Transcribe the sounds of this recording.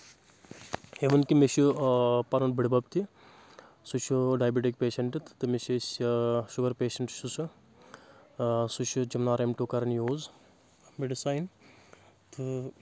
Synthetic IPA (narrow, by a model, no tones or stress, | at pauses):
eʋɐnkimeʃupɐɾɐnbiɽibɐb̚t̪i | sut͡ʃʰuɖaːjbeʈikpeːʃɐɳʈɨt̪t̪ɨmeʃesʲʃuɡɐɾpeːʃɐɳʈʃusu | sut͡ʃʰud͡ʒɐmnaːɾemʈuːkɐɾɐnjoːz | meɖisaːjin | t̪ɨ